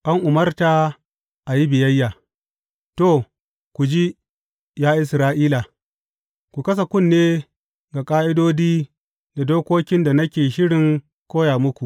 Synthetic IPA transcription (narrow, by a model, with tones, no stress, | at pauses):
ʔa˦ŋʔʊ˨mɐ˦rta˨ | ʔa˨ji˦bɪ˨jɐ˦jːaː˨ | to˨ | kʷu˨d͡ʒi˦ | jaː˦ʔɪ˦sɾaː˦ʔiː˦la˨ | kʷu˨kɐ˦s̬a˨kʷʊ˦˨nːeː˦ | ɡa˨kʼaː˦ʔɪ˦doː˦diː˦ | da˨doː˦koː˦kʲɪ˦nda˨nɐ˦kʲeː˨ʃɪ˦ɽɪ˨ŋ | kʷoː˦jaː˨mʊ˦kʷu˨ʔ